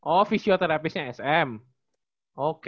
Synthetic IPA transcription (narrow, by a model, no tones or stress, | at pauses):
ʔofisiot̪əɾap̬ɪsɲãɛsɛm | ʔok